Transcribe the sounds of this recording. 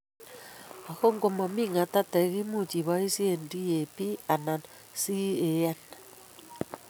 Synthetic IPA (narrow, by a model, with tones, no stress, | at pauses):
a˨ɣo˦ŋɡo˨mɔ˨mi˦ŋa˨ta˦ta˨ɣi˦mu˦˨t͡ʃi˨βa˦i˦si˦e˦˨ndi˦e˨pi˦a˨na˨n | si˦e˨ja˦na˨